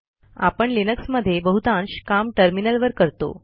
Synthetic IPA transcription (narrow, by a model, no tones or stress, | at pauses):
a̰pəɳlinəksməd̪ʱːjebəɦut̪ãnɕkamʈəɾminəlʋəɾkəɾt̪o̰